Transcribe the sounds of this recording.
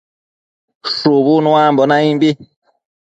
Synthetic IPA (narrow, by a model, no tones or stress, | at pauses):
sobunw̃ãmbɔnaĩbi